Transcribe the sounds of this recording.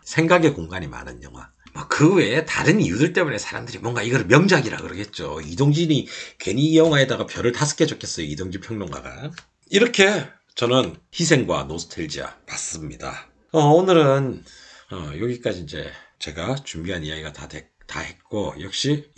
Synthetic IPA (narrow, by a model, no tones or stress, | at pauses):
sʰe̞ŋɡaɡe̞koŋɡaɲima̰nɯnjʌŋwa̰ | mʌkɯwe̞ta̰ɾɯnijudɯɭt͈e̞mune̞sʰaɾa̰mdɯɾimwʌŋɡaiɡʌɾɯɭmjʌŋd͡ʑaɡiɾa̰kɯɾʌkʰe̞t̚t͡ɕ͈oidoŋd͡ʑiɲikwe̞ɲijʌŋwae̞daɡapjʌɾɯɭtasʰɯ̥k͈ʰed͡ʑokʰes͈ʌjoidoŋd͡ʑipʰjʌŋnoŋɡa̰ɡa̰ | iɾʌkʰe̞ | t͡ɕʌnɯnçis̬ʰe̞ŋɡwanosʰtʰɯɭd͡ʑia̰pas͈ɯmɲida̰ | ʌonɯɾɯn | ʌjoɡik͈ad͡ʑiːnd͡ʑe̞̰ | t͡ɕe̞ɡat͡ɕumbiɦanijaɡiɡatade | ta̰he̞t̚k͈ojʌk̚ɕ͈i